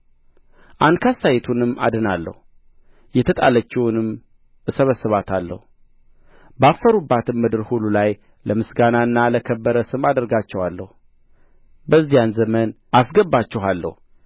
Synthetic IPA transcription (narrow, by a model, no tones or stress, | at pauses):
ʔand̪kʰasajɛt̪ʰunɨmːa̰d̪ɨnalːə̰hu | jɛt̪ʰət̪ʼa̰lət͡ʃːɛhunɨm | səβəsːɨβat̪ʰalːə̰hu | bafːəɾubːat̪ʰɨnmɨd̪ɨɾhululaj | ləmɨsɡanaɨnːaləkʰəbːəɾəsɨmad̪əɾɡat͡ʃːɛwalːəhu | bəzːijanzəmən | asɡəbːat͡ʃːɛɦalːə̰hu